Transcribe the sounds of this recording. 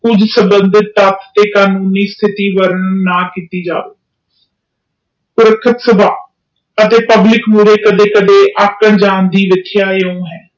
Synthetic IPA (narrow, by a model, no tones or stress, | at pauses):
kʊd͡ʒsəmbənd̪ɪt̪ːət̪ʰt̪eːkaːnuːniːst̪ʰɪt̪iːʋəɾəɳnaːkiːt̪iːd͡ʒa̰ːʋḛː | pʊɾəkʰət̪səbaː | ət̪eːpəblɪkmuːɾeːkəd̪eːkəd̪eːʔəkːəɳd͡ʒaːnd̪iːʋɪt̪ʰːjaːeõːɦɛː